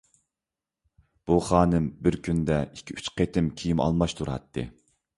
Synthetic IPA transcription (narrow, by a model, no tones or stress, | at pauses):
b̥uχɑːnɨmbɪɾkʲynd̪ɛikʲʰːiyt͡ʃqʰet̪ʰɪmkʲʰijimɑ̰lˠmɑʃt̪ʰuɾɑ̰t̪ʰːɨ̰